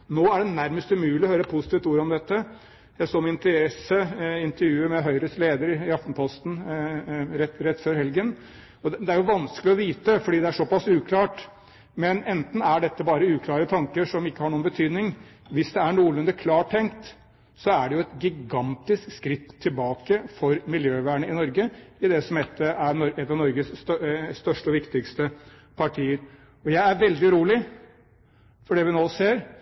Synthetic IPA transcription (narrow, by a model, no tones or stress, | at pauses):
noːæɖɛnæɾməst̪ʉmʉːlɪɔhøːɾəɛpʰʊsɪt̪ʰiːft̪uːɾɔmd̪ɛt̪ːə | jæɪsoːmɪnt̪əɾɛsːəɪnt̪əɾjʉːəmɛɦœʏɾəsleːd̪əɾɪɑft̪n̩pʰɔst̪n̩ | ɾɛɾɛt̪ːføːɾhɛlɡən | ɔd̪ɛæɾjʊʋɑnsklɪɔʋiːt̪əfɔɖiːd̪ɛæʂɔpɑsʉːkʰlɑːʈ | mɛnɛnt̪n̩æɖɛt̪ːəbɑːɾəʉːkʰlɑːɾət̪ʰɑŋkəʂɔmɪkːəhɑɾɳuːənbət̪ʰyːd̪nɪŋ | ʋɪsd̪ɛæɳuːlɛnd̪əkʰlɑːʈʰːɛŋkt̪ | sɔæɖɛjʊɛt̪ɡɪɡɑnt̪ɪskskɾɪt̪ʰːɪlbɑːkəfɔɾmɪljøːʋæːɳəɪnɔɾɡəɪd̪ɛsɔmɛt̪ːəʔæɾɔɛt̪ːɑʋnɔɾɡəsst̪œʂʈəɔʋɪkt̪ɪkst̪əpʰɑʈʰiːəɾ | ɔjæɪæɾʋɛld̪ɪɾuːlɪ | fɔɖɛːʋɪnoːseːɾ